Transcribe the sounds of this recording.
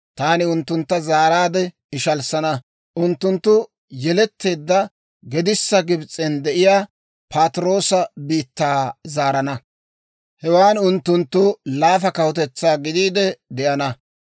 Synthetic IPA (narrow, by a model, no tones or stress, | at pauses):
t̪aːnɪʊnt̪ːʊnt̪ːɐzaːɾaːd̪ɛ | ɪʃɐlsɐnɐ | ʔʊnt̪ːʊnt̪ːʊ | jɛlɛt̪ːe̞ːd̪ːɐ | ɡɛd̪ɪsːɐɡɪbt͡sʼːɛnd̪ɛʔɪjaː | pʰɐt̪ɾo̞ːsɐbiːt̪ːaːzaːɾɐnɐ | hɛwaːnʊnt̪ːʊnt̪ːʊlaːfɐkɐwʊt̪ɛt͡sːaːɡɪd̪iːd̪ɛd̪ɛʔɐnɐ